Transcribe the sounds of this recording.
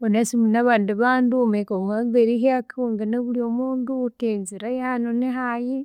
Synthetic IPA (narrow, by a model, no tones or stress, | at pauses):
βonesiminaβaːndiβaːndumekoŋaβeɾiɦeakoŋɡeneβuliomuːnduteɲziɾajanoneɦaji